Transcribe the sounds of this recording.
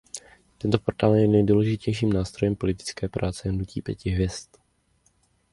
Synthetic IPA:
t̪ɛnt̪opo̞ɾt̪aːljɛnɛjduːlɛʒɪcɛjʃiːmnaːst̪ɾo̞jɛmpo̞lɪt̪ɪ̥t͡skɛːpɾʔaːt͡sɛɦnucḭːpjɛ̰cɪɦvjɛst̪

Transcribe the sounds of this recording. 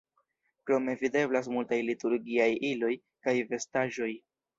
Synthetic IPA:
kɾo̞me̞vide̞blas̬multajlituɾɡiajilo̞j | kajve̞staʒo̞j

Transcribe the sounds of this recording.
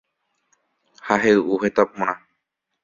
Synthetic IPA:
haɦeʔuhet̪apõɽ̃ã

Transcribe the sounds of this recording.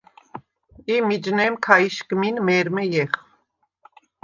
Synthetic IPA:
imid͡ʒnɛmkʰaiʃkminmɛɾmɛjɛχ

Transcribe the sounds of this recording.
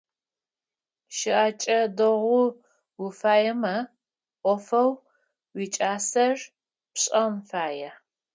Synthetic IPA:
ʃɪʔat͡ʃʼɐdɐʁʷʊ | wʊfaːjɛmɐ | ʔʷɔfɐw | wit͡ʃʼaːsɐr | pɕʼɐmfaːjɛ

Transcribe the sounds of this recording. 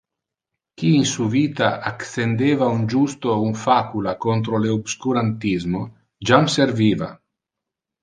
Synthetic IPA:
kiːnsuviːt̪aaksend̪eːvaund͡ʒust̪ounfakulakont̪ɾoleobskuɾant̪izmo | d͡ʒamseɾviːva̰

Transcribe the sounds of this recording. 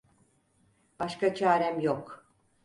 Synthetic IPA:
b̥aʃkat͡ʃʰaːɾɛmjok

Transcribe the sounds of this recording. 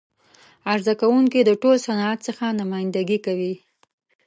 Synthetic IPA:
aɾzakawuŋkid̪əʈolsanɑat̪səxanʊmɑjɪnd̪aɡikawi

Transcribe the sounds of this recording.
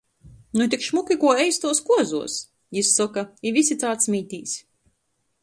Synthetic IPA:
nut̪̬ʲikʃmukʲikuɔɛjst̪uɔskuɔzṵɔs | jisːɔkaivʲisʲit̪saːt̪smʲiːt̪ʲiːs

